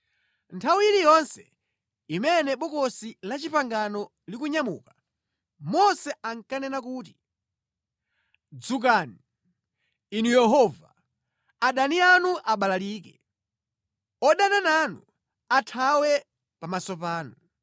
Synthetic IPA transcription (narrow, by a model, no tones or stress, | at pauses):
ntʰawiiɾijɔnsɛ̥ | imɛnɛɓɔkɔsilat͡ʃipaŋɡanɔ | likuɲamṵːka | mɔsɛʔaŋ̩kanɛnak̬uːt̬i̥ | d͡zuk̬ani | inujɛɦɔva | aɗanianuʔaɓalaliːkɛ | ɔɗanananu | atʰawɛ | pamasɔpaːnu